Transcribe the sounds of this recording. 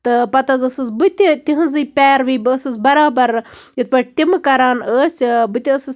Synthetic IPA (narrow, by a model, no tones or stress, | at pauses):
t̪ɨpɐt̪ɐzɐsɨsbɨt̪ʲit̪ʲiɦɨnzɨjpʲɛːɾʋiːbɨːsɨsbɐɾaːbɐɾjɐt̪̚pɐʈt̪ʲimɨkɐɾaːnəːsʲbɨt̪ʲiɐsɨs